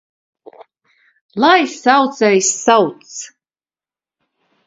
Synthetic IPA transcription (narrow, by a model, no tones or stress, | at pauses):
lˠajsawt̪sɛjsːawt̪s